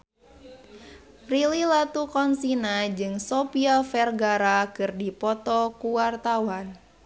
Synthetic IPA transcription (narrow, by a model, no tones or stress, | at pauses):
frililat̪ukɔnsinad͡ʒɨŋsɔpiafɛrɡaɾakɨrdipɔt̪ɔkuwart̪awan